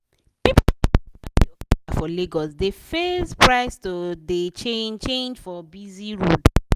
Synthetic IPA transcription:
pip | fɔliɡɔsdefespɹaɪstodet͡ʃent͡ʃẽnd͡ʒfɔbiziɹud

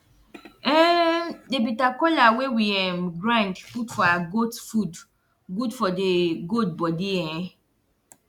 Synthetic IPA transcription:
ɛ̃debitakɔlawewiɛ̃mɡɾãndputfɔaɡotfud | ɡudfɔdeɡod̚bɔdiɛ̃ɛ̃

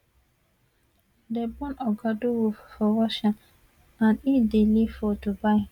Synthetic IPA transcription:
dɛbɔ̃nɔɡaduwufɔɾɔʃãn | ãnidilifɔtubaɪ

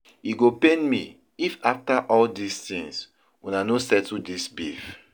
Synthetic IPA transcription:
iɡopẽnmi | ifaftaʔɔldistĩŋs | unanosɛtudisbif

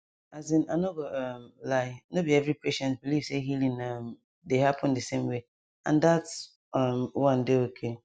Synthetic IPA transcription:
azĩna̰noɡoʌmlaɪanobiɛvɾipeʃɛ̃ntbiliv̥seɦilĩnʌm | deɦapʰɔ̃ndɨsẽmwe | ã̰ndats | ʌmwãndeokʰe

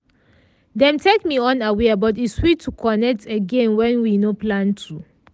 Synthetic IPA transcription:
dɛ̃mtʰekmiɔ̃nawebɔtiswitʰːukʰɔnɛk̚tʰeɡẽnwɛ̃nwinoplãntʰɹu

